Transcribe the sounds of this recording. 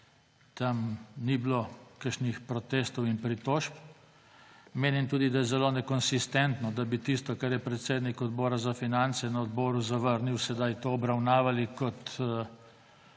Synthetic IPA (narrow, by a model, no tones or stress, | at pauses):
t̪amniblokəɾʃnixpɾɔt̪eːst̪ɔwinpɾit̪oːʃp | meːnimt̪uːd̪id̪ajɛzɛloːnɛkɔnsist̪ɛnt̪nɔd̪abit̪ist̪ɔkaɾjɛpɾɛt̪seːd̪nikɔd̪bɔːɾazafinant̪sɛnɐɔd̪bɔːɾuzaʋəɾniwsɛd̪ajt̪oːbɾawnaːʋalikɔt̪